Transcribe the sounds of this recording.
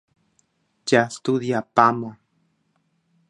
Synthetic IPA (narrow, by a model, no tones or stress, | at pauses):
t͡ʃast̪ud̪japamo